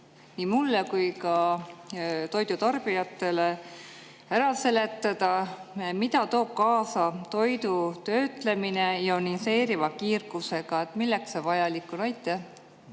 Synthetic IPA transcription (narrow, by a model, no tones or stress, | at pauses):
niːmulːekujkɑ | t̪o̞jd̪ut̪ɑrb̥ijɑt̪ːˑe̞le | æɾɑlse̞le̞t̪ːˑɑd̪̥ɑmid̪ɑt̪o̞ːb̥̚kɑːsɑt̪o̞jd̪ut̪ø̞ːt̪le̞mine̞jɑonise̞ːɾivɑkiːrɡuse̞ɡ̥ɑe̞t̪milːe̞ksevɑjɑlikːˑunɑjt̪ːˑe